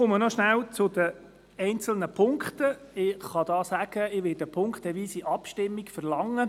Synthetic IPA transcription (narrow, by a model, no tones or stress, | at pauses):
ʊmənɔʃnæwt͡sʊd̥̪ə | ɛnt͡sl̩nəpʰʊŋkχtə | ɪχɑd̥̪ɑːsæɡ̥əɪʋɪdəpʰʊŋktɛʋiːsiʔɑpʃtɪmːiɡfəɾlɑŋːə